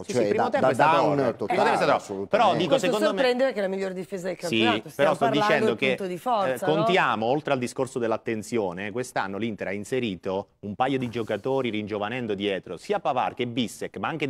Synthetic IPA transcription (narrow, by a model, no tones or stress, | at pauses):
pːɾimot̪ɛmoesaoɾimot̪ɛmpoesat̪soutp̪eɾɔd̪iːkosekonomɾɛnd̪eɾekelamiʎːord̪ifezad̪elkait̪peɾɔst̪ɔd̪it͡ʃɛnd̪oket̪od̪ifɔskontt̪jaːmoolt̪ɾeald̪iskorsod̪elːat̪ːent̪sjoːnekwest̪anːolint̪eɾainseɾiːt̪oumpajod̪id͡ʒokat̪oːɾiɾind͡ʒovanɛnd̪od̪jɛːt̪ɾosiːapava̰rk̟ebːisːekːmaaŋk̟e